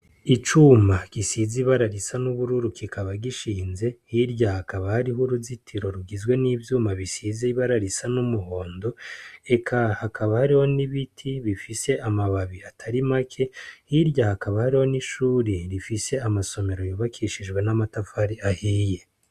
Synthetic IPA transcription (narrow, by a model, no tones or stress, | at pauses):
it͡ʃumakisiziβaɾaɾisanuβuɾuɾukʰikʰaβaɡiʃiːnze̞hiɾɟahakaβahaɾihuɾuzitʰiɾo̞ɾuɡizɡwe̞niːvjuːmaβisiziiβaɾaɾisanumuho̞ːndo̞e̞kʰahakʰaβahaɾiho̞niβitʰiβifise̞ʔamaβaβiatʰaɾimakʰe̞hiɾɟahakaβahaɾiho̞niʃuːɾeɾifise̞amaso̞me̞ɾo̞joːβakʰiʃid͡ʒɡwe̞namatafaɾiahiːje̞